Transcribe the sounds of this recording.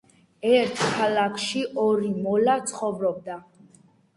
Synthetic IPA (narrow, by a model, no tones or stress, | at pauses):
ɛɾt̪ʰkʰalakʰʃiʔɔɾimɔlat̪sʰχɔvɾɔb̚d̪a